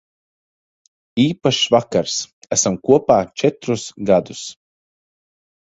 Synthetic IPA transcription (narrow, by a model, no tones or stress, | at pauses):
iːpaʃvakaɾsæsamkuɔpaːt͡ʃɛt̪ɾusɡad̪us